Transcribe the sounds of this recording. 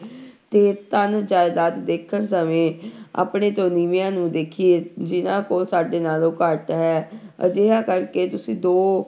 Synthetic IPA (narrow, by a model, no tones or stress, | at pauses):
t̪eːt̪ənd͡ʒaːɪd̪aːt̪d̪eːkʰːənsəmẽːa̰ːpɳeːt̪õːniːʋijãːnũːd̪eːkʰieːd͡ʒɪnãːkoːlsaːɖeːnaːloːkəɾʈɦɛːə̰d͡ʒeːɦaːkəɾkeːt̪ʊsĩːd̪oː